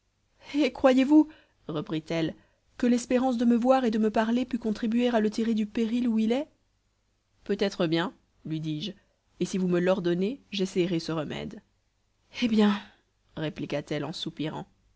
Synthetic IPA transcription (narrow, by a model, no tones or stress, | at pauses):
ekχwajevu | ʁəpχit̪ɛl | kəlɛspeʁɑ̃s̬d̪əməvwaʁed̪əməpaʁlepykɔ̃t̪χibɥeʁalət̪̬iʁed̪ypeʁiluilɛ | pøt̪ɛt̪χəbjɛ̃ | lɥid̪iʒ | esivuməlɔʁd̪ɔneʒɛsɛjʁesəʁəmɛ̰d̪ | ebjɛ̃ | ʁeplikat̪ɛlɑ̰̃supiʁɑ̰̃